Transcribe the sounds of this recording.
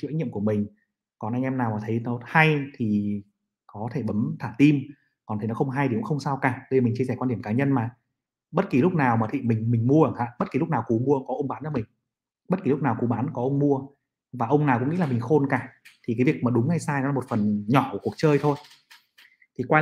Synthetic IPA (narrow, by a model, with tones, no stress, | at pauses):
i˧˨a˦˥jŋɲi˧˨əmku˧˩əmï˨˩ŋ̟ | kɔ˨˩nʔa˧ŋʔɛ˧mnaː˨˩wmaː˨˩t̪ʰə˨˦jnɔ˨˦ha˧jt̪ʰi˨˩ | kɔ˨˦t̪ʰe˧˩ɓə˨˦mt̪ʰaː˧˩t̪i˧m | kɔ˨˩nt̪ʰi˨˩nɔ˨˦xə˧wŋ͡mɦa˧jɗi˨˦˨ə˨˦wxə˧wŋ͡msaː˧wkaː˧˩ɗə˧jmi˨˩ŋ̟t͡ɕi˧əsɛ˧˩kwa˧ɗi˧˩əŋkaː˨˦ɲə˧nmaː˨˩ | ɓə˦˥t̚ki˨˩lʊ˦˥k͡p̚naː˨˩wmaː˨˩t̪ʰḭ˧˨˩mï˨˩ŋ̟mï˨˩ŋ̟mu˧əʔə˨˩ʔa̰ː˧˥ɓə˦˥t̚ki˨˩lʊ˦˥k͡p̚naː˨˩wku˨˦mu˧əkɔ˨˦ʔə˧wŋ͡mɓaː˨˦nt͡ɕa˧˩mï˨˩ŋ̟ | ɓə˦˥t̚ki˨˩lʊ˦˥k͡p̚naː˨˩wku˨˦ɓaː˨˦nkɔ˨˦ʔə˧wŋ͡mmu˧ə | vaː˨˩ʔə˧wŋ͡mnaː˨˩wkʊ̰˧˥ŋḭ˧˥laː˨˩mï˨˩ŋ̟xo˧nkaː˧˩t̪ʰi˨˩kaː˨˦vi˨˩ək̚maː˨˩ɗʊ˨˦ŋ͡mŋa˧jsaː˧jnɔ˨˦la˧˦mo˨˩t̚fə˨˩nɲɔ˧˩ʔu˧˩ku˨˩ək̚t͡ɕəː˧jt̪ʰo˧j | t̪ʰi˨˩kwaː˧